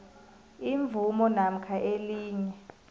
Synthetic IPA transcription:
iɱbvʱumɔnam̩kʰaʔeliːɲɛ

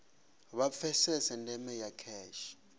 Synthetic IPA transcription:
βafʰɛsɛsɛndʱɛmɛjakʰɛːʃi̥

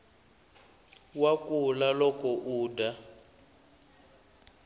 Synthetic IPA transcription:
wakʼulalɔkʼɔʔuːda

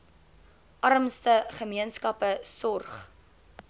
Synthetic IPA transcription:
ʔɐrəmstəχəmiənskɐpəsɔrχ

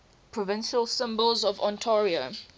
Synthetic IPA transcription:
pʰɹɔvɪ̃nʃəlˠsɪ̃mbəlˠzɔvɔ̰̃ntʰɔːɹiə

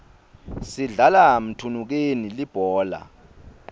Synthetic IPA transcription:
siɮalam̩tʰunuk̬enilib̥ʱɔːla̰

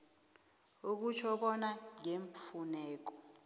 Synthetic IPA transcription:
uk̬ut͡ʃʰɔɓɔnaŋeɱfunɛːk̬ɔ̥

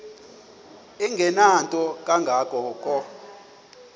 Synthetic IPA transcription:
iŋɡʱɛnantʼɔkʼaŋɡʱakʼɔkʼɔ

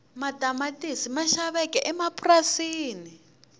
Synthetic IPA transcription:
matamatʼisimaʃaβɛkʼɛʔɛmapʼurasiːni

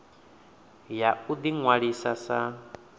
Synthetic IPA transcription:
jaud̪iŋwaɺisasa

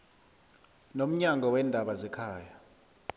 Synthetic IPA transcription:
nom̩ɲaŋɡʱɔwɛːndʱaɓazɛkʰaːja

